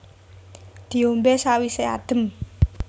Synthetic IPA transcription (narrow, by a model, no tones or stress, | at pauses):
d̪̥i̤ombesawisea̰d̪̥ə̤m